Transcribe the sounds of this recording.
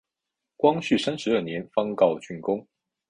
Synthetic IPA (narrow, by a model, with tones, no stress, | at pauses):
kwɑ˥ŋɕy˥˩sa˥nʂɻ̩˧˥ə˥˩njɛ˨˧˥nfɑ˥ŋkɑ˥˩ʊt͡ɕʰy˥˩nkʊ˥ŋ